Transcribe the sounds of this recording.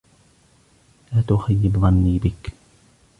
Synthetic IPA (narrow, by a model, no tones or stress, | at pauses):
ʔat̪ʊxajːɪbðˤɑnːiːbɪk